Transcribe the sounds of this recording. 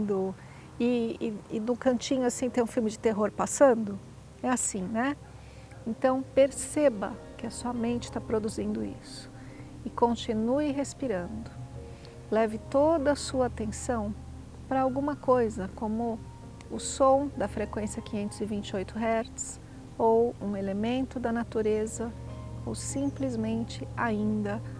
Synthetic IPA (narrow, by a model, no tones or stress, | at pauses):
d̪ʊ | ɪɪːnʊ̃kɐ̃nt͡ʃĩɲʊasĩt̪ẽj̃ũfilmɪd͡ʒɪt̪eɦoɾpasɐ̃d̪ʊ | ɛasĩnɛ | ẽnt̪ɐ̃w̃peɾsebɐ̰kɪɐsuɐmẽnt͡ʃɪ̥t̪apɾod̪uzĩnd̪ʊḭsʊ̥ | ɪkõnt͡ʃinuɪɦespiɾɐ̃nd̪ʊ | lɛvɪt̪od̪ɐsuɐat̪ẽsɐ̃w̃ | pɾɐawɡũmɐkojzɐkõmʊ | ʊsõw̃d̪ɐfɾekwẽsiɐkĩɲẽnt̪ʊzɪvĩnt͡ʃɪojt̪ʊɦɛɾt̪s | owũelemẽnt̪ʊd̪ɐnat̪uɾezɐowsĩplɪzmẽnt͡ʃɪaĩnd̪ɐ